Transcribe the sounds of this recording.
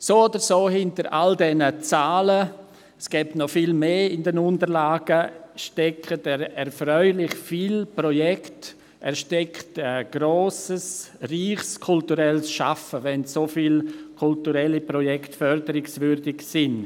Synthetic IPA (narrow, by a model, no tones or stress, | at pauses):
soːodəɾsoːhɪntəɾʔa̰ldɛnət͡saːlə | sɡ̥ɛːptnɔfiːlmeːɪndɛnʊntəɾlaːɡ̥əʃtɛkʰːətɛɛɾfɾœʏlɪχfiːlprɔjɛkt | ʔɛɾʃtɛktɛɡ̥ɾoːsəsriːχskʰʊltuɾɛlsʃa̰fəʋɛnsofiːlkʰʊltuɾɛlipɾɔjɛktfœɾdəɾɪksvʏɾdɪɡsɪn